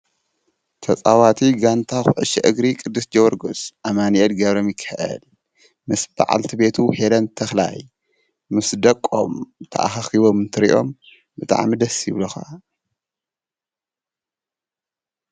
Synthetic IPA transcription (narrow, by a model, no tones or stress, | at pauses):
t̪ʰɐt͡sʼawat̪ʰiɡant̪ʰaxʊʕɨ̰ʃɛ̰ʔɨɡɾikʼɨd̪ːɨsd͡ʒɐwɐɾɡosʔamaniɛt̪ɡɐβɾomjɪkʰːɐʔɐ̰l | mɨsb̥a̰ʕa̰lt̪ʰibe̞t̪ʰuhelɐnt̪ʰɐxla̰j | mɨsd̪ɐkʼːo̰mt̪ʰɐ̰ʔa̰xɐxiβo̞mɨnt̪ʰɨɾḭʔo̞̰m | bɨt̪ʼa̰ʕmid̪ɐsɪβlɐxa̰